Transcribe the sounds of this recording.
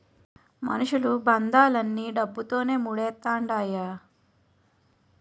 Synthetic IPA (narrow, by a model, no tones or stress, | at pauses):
mɐ̰nuʂulubɐnd̪aːlɐnːiɖɐbːut̪o̞ːne̞ːmuɽɛːt̪ːaːɳɖaːja